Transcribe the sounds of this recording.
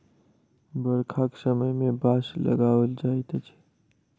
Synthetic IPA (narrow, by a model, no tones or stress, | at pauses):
bəɽkʰaksəməjmẽbaːslə̰ɡaːʋəld͡ʒaːit̪ət͡ʃʰ